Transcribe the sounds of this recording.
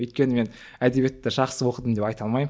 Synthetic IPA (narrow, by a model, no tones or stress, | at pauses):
wɵjt̪̚kʲe̞nɪme̞n | æd̪e̞bije̞t̪ːɪʃɑqsəwo̞qəd̪əmd̪e̞pɑjt̪ɑlˠmɑjm